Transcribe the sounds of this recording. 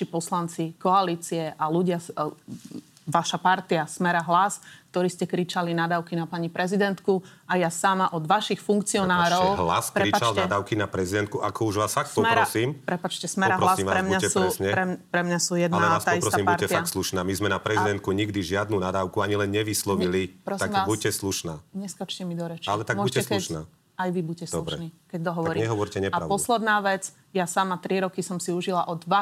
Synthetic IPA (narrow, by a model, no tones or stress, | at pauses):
ipɔslant͡sikɔaliːt͡siɛʔaluɟɪa | ʋaʃapaɾt̪iasmɛɾaɦlask̚t̪ɔɾiːscɛkɾit͡ʃalinad̪aːʊkinapaɲipɾɛzid̪ɛnt̪kuajasamaʔɔd̪ʋaʃixfuŋkt͡siɔnaːɾɔʊɦla̰spɾɛɾipat͡ʃalnad̪aːʊkinapɾɛzid̪ɛnt̪kuʔakɔuʒʋaːsfak̚ɔmɛɾɔasiːmpɾɛpat͡ʃcɛsmɛɾaɾlasimʋaɾɛmɲaɛsuɛsɲɛpɾɛpɾɛmɲasujɛd̪naalɛaːsp̪aɔisptɔsasiːmbpuɾtɛfiaak̪t̪sluʃnaːmizmɛnapɾɛzid̪ɛnt̪̚kuɲiɡd̪iʒɪad̪nuːnad̪aːʊkuaɲilɛnɲɛʋislɔʋiliɾɔst̪aimabucɛsluʃnaːɲɛskat͡ʃcɛmid̪ɔɾɛt͡ʃalɛt̪aɡmɔuɛsuʃnaː | ajʋibucɛsd̪ɔubɾʃɛniːkɛɟ̚d̪ɔɦɔʋɔɾiːɲɛɦɔʋɔɾcɛɲɛpaɾaʊpɔslɛd̪naːʋɛt͡s | jasaːmat̪ɾiɾɔkisɔmsiuʒilaʔɔd̪ʋa